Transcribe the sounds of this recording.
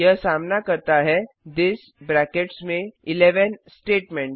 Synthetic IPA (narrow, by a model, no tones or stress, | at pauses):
jəsamnakəɾt̪aɦɛ | d̪ɪs | bɾækeʈsmẽɪleʋənsʈeːʈmẽɳʈ